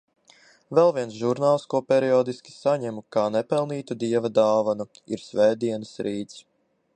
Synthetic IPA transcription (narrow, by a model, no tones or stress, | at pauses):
vɛlˠviɛnsʒuɾnaːlˠskuɔpʲɛɾiɔːd̪iskʲi̥saɲɛmukaːnɛpɛlˠniːt̪ud̪iɛvad̪aːvanu | ḭɾsʲvɛːd̪iɛnəsɾʔiːt̪s